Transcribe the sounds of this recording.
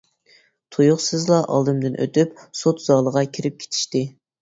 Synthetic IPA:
t̪ʰujuχsɨzlˠɑʔɑ̰lˠd̪ɨmd̪ɨnʔø̰t̪ypsot̪z̥ɑːlˠəʁɑkʲʰiɾɪp̚kʲʰe̥t̪ʰi̥ʃt̪ɪ

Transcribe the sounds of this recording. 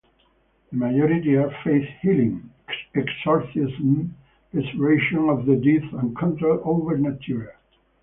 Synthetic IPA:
ðəmajɔɾitiaɹfeɪθhilɪ̃ŋ | ɛksɔɹsɪzm | ɪsɹeɪʃə̃nɔvðədiθə̃nkʰɔ̃ntolʔovəɹnatʰuɹ

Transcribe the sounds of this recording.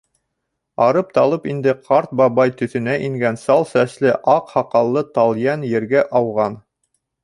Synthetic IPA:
ɑɾɤp̚t̪ɑlˠɤpind̪ɘqʰɑɾt̪̚bɑβɑjt̪ɵ̆θɵ̆næʔiŋɡænsɑlˠsæslɘʔɑqhɑqɑlˠːɤt̪ɑlˠjænjɘ̆ɾɡæʔɑwʁɑn

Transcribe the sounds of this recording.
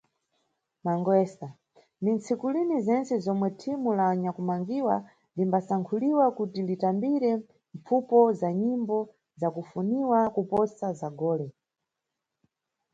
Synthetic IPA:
maŋɡwɛsa | ndint͡sʰikulinizɛnt͡sɛzɔmwɛtʰimulaɲakumaŋɡiwa | limbasaŋkʰuliwakutilitambiɾɛ | ɱp͡fupɔzaɲimbɔ | zakufuniwakupɔsazaɡɔːlɛ

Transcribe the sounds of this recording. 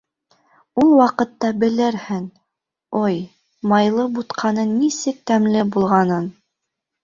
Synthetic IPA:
ulˠwɑqɤ̆t̪ːɑbɘ̆lɘɾhɘŋ | oj | mɑjlˠɤbut̪qʰɑnɤnːisɘk̚t̪æmlɘbulˠʁɑnɤn

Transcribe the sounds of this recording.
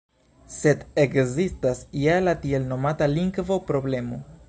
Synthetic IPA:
se̞d̪ekzistasijalatielno̞mataliŋɡvo̞pɾo̞ble̞mo̞

